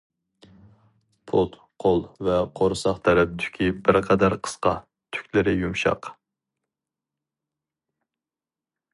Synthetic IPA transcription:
pʰot̪ | qʰolˠvɛqʰoɾsɑχt̪ʰɛɾɛp̚d̪ʰy̥kʲʰibɪɾqʰɑd̪æɾqʰə̥sqɑ | t̪ʰy̥kʲlɪɾɪjumʃɑ̰q

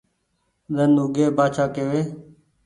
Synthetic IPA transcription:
ɗənuːɡeːbaːt͡ʃʰaːkeːʋeː

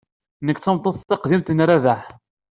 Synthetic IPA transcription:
nəkːt͡sːəmt̪ˤːoθt̪ːɑqðimt̪ənɾaðaħ

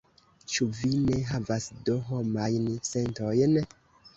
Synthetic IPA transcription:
t͡ʃuvine̞ɦavasdoɦomajnse̞nto̞jn

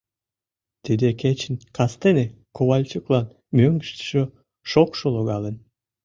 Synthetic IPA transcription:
t̪id̪eket͡ɕənkʰɑst̪enekoβɑlʲt͡ɕəklɑn | møŋɡəʃt̪ə̥ʃo | ʃokʃolˠoɣɑlən

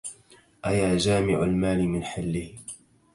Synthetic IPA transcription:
ʔajaːd͡ʒaːmɪʕalmaːlɪmɪnħɪlːɪh

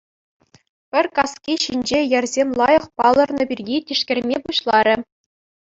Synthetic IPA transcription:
pʲɘ̆rʲkɑskʲiɕinʲd͡ʑejɘrʲzʲemʲlˠɑjɤ̆χpɑlˠɤ̆rnɤ̆bʲirʲjʲitʲiʂkʲɘ̆rʲmʲepuɕlˠɑɾʲɘ̆

